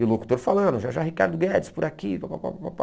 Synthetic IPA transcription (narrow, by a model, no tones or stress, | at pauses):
ɪʊloku̥t̪oɾfalɐ̃d̪ʊʒaʒaɦika̰ɾd̪ʊɡɛd͡ʒɪ̥spʊɾakivapapa̰papa̰